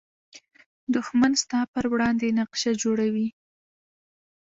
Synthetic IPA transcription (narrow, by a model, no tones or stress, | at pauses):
d̪ʊxmanst̪ɑpəɾwɽɑnd̪enaqʃad͡ʒoɽawi